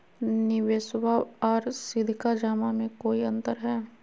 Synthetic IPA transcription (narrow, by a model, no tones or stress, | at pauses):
nɪʋeːsʋaɔːɾsɪd̪ʱkad͡ʒaːmamẽkoːiɐ̃nt̪əɾɦɛː